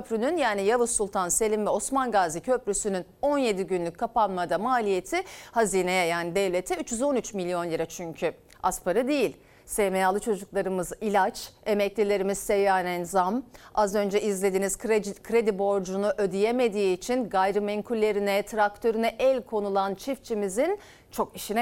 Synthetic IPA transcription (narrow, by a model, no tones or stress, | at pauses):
øpʰɾynynjaːnijavɯsulˠt̪ʰanse̞lʲimvɛo̞smanɡaːzicʰøpɾysynyno̞nje̞d̪iɟynlʲyc̚ʲkʰːapanmad̪amaːlʲije̞t̪ʰɪhaziːnejɛjaːnid̪ɛvlʲe̞t̪ʰɛyt͡ʃjyzo̞nyt͡ʃmilʲjo̞nlʲiɾat͡ʃʰyɲcʰy | aspaɾɯd̪ejilʲ | seːmejalˠɯt͡ʃʰo̞d͡ʒuklˠaɾɯmɯzilʲat͡ʃe̞mɛclʲilʲe̞ɾimiz̥sejaːnɛnzamazø̞nd͡ʒɛʔizlʲe̞d̪iːniz̥kkʰɾe̞d̪ibo̞ɾd͡ʒunuʔød̪ijeme̞d̪iːt͡ʃʰinɡajɾɯmeɲkʰylʲːe̞ɾinɛt̪ʰɾak̚t̪ʰø̞ɾynɛʔɛlʲkʰo̞nulˠant͡ʃʰift͡ʃʰimizin | t͡ʃʰo̞kiʃinɛ